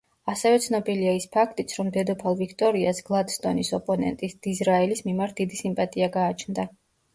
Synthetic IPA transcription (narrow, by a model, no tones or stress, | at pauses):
asɛvɛt̪sʰnɔbiliaispʰakʰt̪ʼit̪sʰɾɔmd̪ɛd̪ɔpʰalˠvikʰt̪ʼɔɾiasɡ̥lˠad̪st̪ʼɔnisɔpʼɔnɛ̰nt̪ʼisd̪̥izɾaɛlismimaɾt̪̚ʰd̪id̪isimpʼat̪ʼiaɡaːt͡ʃʰnd̪a